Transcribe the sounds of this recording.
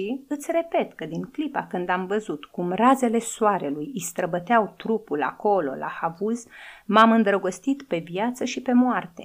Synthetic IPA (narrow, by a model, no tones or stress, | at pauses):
iɨt̪sʲre̞pe̞t̪kəd̪iŋklipakɨnd̪amvəzut̪kumraze̞le̞soaɾe̞lujist̪ɾəbət̪eawt̪ɾupula̰ko̞lo̞̰la̰havuzmamɨnd̪ɾəɡo̞st̪it̪pe̞vjat̪səʃipe̞moart̪e̞̰